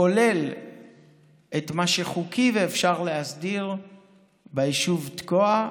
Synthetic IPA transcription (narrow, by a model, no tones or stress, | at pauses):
ole̞l | ʔetmaʃeχukʰiveːfʃaʁleɦasdiʁ | beiʃuvtkoa